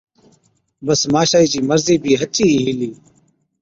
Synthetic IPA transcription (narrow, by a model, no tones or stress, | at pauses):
bəsmaːʃaːiːt͡ʃiːməɾziːbʱiːɦət͡ʃiːiːɦiliː